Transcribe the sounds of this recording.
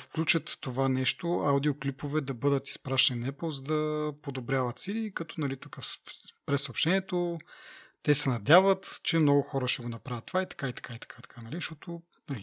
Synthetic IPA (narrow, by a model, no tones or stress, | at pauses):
fklʲut͡ʃət̪ːovanɛʃt̪oawd̪ioklipovɛd̪ɐbɤd̪ət̪i̥spɾaʃninɛplˠzəd̪ɐpod̪obɾʲjavət̪silikɐt̪ɔnɐlit̪ukəspɾɛsopʃt̪ɛniɛt̪o | t̪ɛsɛnɐd̪ʲavət̪t͡ʃɛmnɔɡʊxɔɾəʃɛɡonɐpɾavʲət̪ːovait̪ɐ̥kait̪ɐ̥kait̪ɐ̥kʰait̪ɐ̥kʰanɐliʃt̪ɔt̪o | nɐli